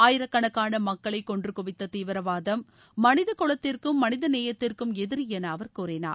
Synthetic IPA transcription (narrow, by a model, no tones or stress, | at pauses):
aːjɪɾɐkːɐɳɐkːaːnɐmɐkːɐɭɐɪkːɔndrɯkʊʋɪt̪ːɐt̪iːʋɪɾɐʋaːðɐmː | ɐnɪðɐkɔɭɐt̪ːɪrkɯmːɐnɪðɐneːjɐt̪ːɪrkɯmɛðɪɾjɛnɐːʋɐɾkuːrɪna̰ː